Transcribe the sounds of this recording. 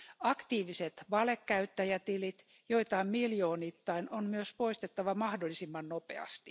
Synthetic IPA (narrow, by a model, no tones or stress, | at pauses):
ɑkt̪iːʋiset̪ʋɑlekːæyt̪ːæjæt̪ilit̪ | joit̪ɑimmiljoːnit̪ːɑinonmyøspoist̪et̪ːɑʋɑmɑhdolːˑisimːɑnnopḛɑ̰st̪i